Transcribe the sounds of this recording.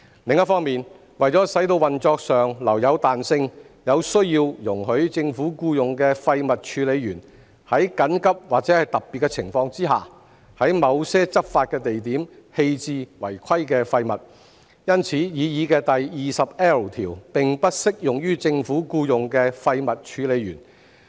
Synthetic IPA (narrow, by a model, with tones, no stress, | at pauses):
lɪ˨ŋjɐ˥t̚fɔː˥ŋmiː˨˩n | wɐ˨˩jt͡sɔː˨˥sɐ˨˥jt̪o˧wɐ˨˩nt͡ʃɔː˧k̚sœː˨˩ŋlɐ˨˩wjɐ˨˧wt̪aː˨nsɪ˧ŋ | jɐ˨˧wsɵ˥ɥjiː˧wjʊ˨˩ŋhɵ˨˥ɥt͡sɪ˧ŋfuː˨˥kuː˧jʊ˨ŋkɛː˧fɐ˧jmɐ˨t̚t͡ʃʰyː˨˧˥le˨˧jɥyː˨˩n | hɐ˨˥jkɐ˨˥nkɐ˥p̚waː˨k̚t͡sɛː˨˥hɐ˨˩jt̪ɐ˨p̚pːiː˨t̚kːɛ˧t͡sʰɪ˨˩ŋfɔː˧ŋt͡siː˥ɦa̰ː˨˩ | hɐ˨˥jmɐ˨˧wsɛː˥t͡sɐ˥t̚faː˧t̚kɛː˧t̪e˨jt̪iː˨˥mhe˧jt͡siː˧wɐ̰˨˩jkʰɐ˥jkɛː˧fɐ˧jmɐ˨t̚ | jɐ˥nt͡sʰiː˨˥jiː˨˧jiː˨˧˥kɛː˧t̪ɐ˨jjiː˨sɐ˨p̚ɛː˥o˨˩wt̪ʰiː˨˩wpɪ˨ŋpɐ˥t̚sɪ˥k̚jʊ˨˩ŋjyː˥t͡sɪ˧ŋfuː˨˥kuː˧jʊ˨ŋkɛː˧fɐ˧jmɐ˨t̚t͡ʃʰyː˨˧le˨˧jy̰ː˨˩n